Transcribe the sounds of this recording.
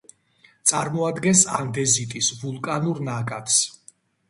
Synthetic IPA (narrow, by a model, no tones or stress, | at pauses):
t̪sʼaɾmɔad̪ɡɛnsa̰nd̪ɛzit̪ʼisvulˠkʼanuɾnakʼat̪ʰs